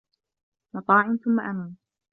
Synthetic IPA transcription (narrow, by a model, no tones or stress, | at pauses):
mɑt̪ˤɑːʕɪnθʊmːaʔamaːn